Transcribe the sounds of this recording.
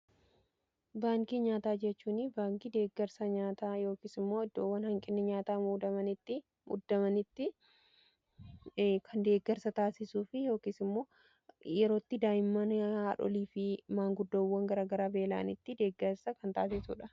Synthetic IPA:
baːŋkʼiːɲaːt̪aːd͡ʒɛt͡ʃːuːnɪbaːŋkʼiːd̪e̞ːɡːɛɾsɐɲaːt̪aːjo̞ːkiːsɪmːo̞ːɪd̪ːoːwːɐnhɐŋkʼɪnːɪɲaːt̪aːmuːd̪ɐmɐnɪt̪ːɪ | mʊ̰d̪ːɐmɐnɪt̪ːɪ | kʰɐnd̪e̞ːɡːɛɾsɐt̪aːsɪsuːfɪjo̞ːkiːsɪmːo̞ː | jɛɾo̞ːt̪ːɪd̪aːjɪmːɐnhaːᶑɔ̰liːfɪmaːŋɡʊd̪ːɐwːɐŋɡɐɾaːɡɐɾaːbe̞ːla̰ːnɪt̪ːɪd̪e̞ːɡːɛɾsɐkɐnt̪aːsɪsṵːᶑɐ

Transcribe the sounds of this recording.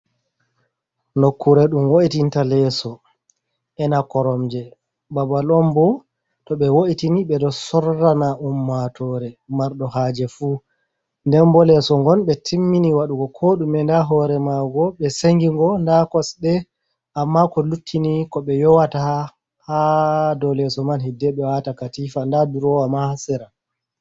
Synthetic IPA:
nokʰːuɾɛɗumwoʔitintalɛsɔ | ʔɛnakɔɾɔmd͡ʒɛ | babalɔmbɔ | tɔɓɛwoʔitiniɓɛdɔsɔɾːanaʔumːatʰɔɾɛmaɾɗɔhaːd͡ʒɛfuː | ndɛnbɔlɛsɔŋɡɔnɓɛtʰimːiniwaɗuɡɔkʰoɗumɛndaɦɔɾɛmaɡɔɓɛseŋɡiŋɡɔndakɔsɗɛ | amːakɔlutʰːinikɔɓɛjɔwataha | hadɔlɛsɔmanhidɛɓɛwatakatifandaduɾɔwamaasɛɾa

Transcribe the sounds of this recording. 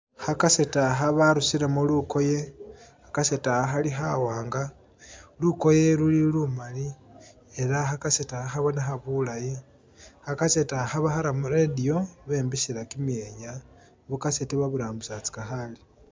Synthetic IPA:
hakase̞taɦaβaɾusiɾemuluko̞je̞hakase̞taxaliɦawaːŋɡa | luko̞je̞lulilumali | elaxakasetaxaβo̞naxaβulaji | hakasetahaβaxaɾamuɾedio̞βe̞mbisiɾakimjeɲa | βukasetiβaβuɾaːmbusat͡si̥kaxali

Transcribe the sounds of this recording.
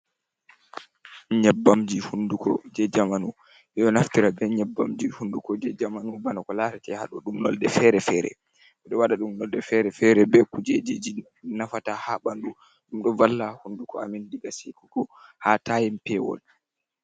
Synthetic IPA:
ɲɛbːamd͡ʒihundukɔ̰d͡ʒɛd͡ʒamanu | ʔɛɗɔnaftiɾabɛɲɛbːa̰md͡ʒihundukɔd͡ʒɛd͡ʒamanubanakɔlatatɛha̰ɗɔɗumnɔ̰ldɛfɛɾɛfɛɾɛ̰ | ʔɛɗɔwaɗaɗumnɔldɛfɛɾɛfɛɾɛbɛkud͡ʒed͡ʒed͡ʒi | nafatahaɓandu | ɗumɗɔvalːahundukɔamindiɡasikuɡɔhatajɛmpɛwɔ̰l

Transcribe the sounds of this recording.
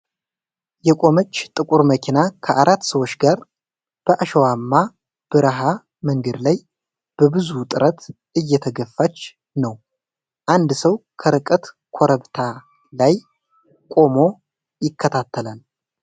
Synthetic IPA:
jɛkʼo̞mət͡ʃːt̪ʼɨkʼuɾməkʰinakʰəʔaɾat̪ːsəwo̞t͡ʃːɡaɾ | b̥əʔaʃəwamːa | b̥ɨɾɦa | məŋɡəd̪laj | b̥əbɨzut̪ʼɨɾət̪ | ʔɨjːɛt̪ʰəɡəfːat͡ʃː | nəw | ʔand̪səwkʰəɾɨkʼət̪ | kʰo̞ɾəβt̪ʰa | laj | kʼo̞mo̞ | jɪkːət̪ʰat̪ʰːəlal

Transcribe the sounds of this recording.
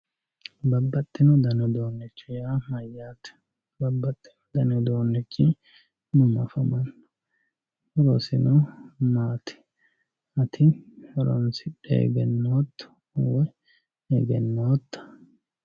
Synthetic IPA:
bɐbːɐt̪ʼːɪnɔd̪ɐnɔd̪oːnːɪt͡ʃːɪjamɐjːaːt̪ɛ̥ | bɐbːɐt̪ʼːɪ̥nɔd̪ɐnɔd̪o̞ːnːɪt͡ʃːɪ | nʊmɐfɐmɐnːɔ | ɔɾosɪnɔmaːt̪ʰɪ̥ | ɐt̪ʰɪɔɾɔ̰nsɪᶑḛːɡɛnːoːt̪ː | wɛ | eɡɛnːoːt̪ːɐ̥

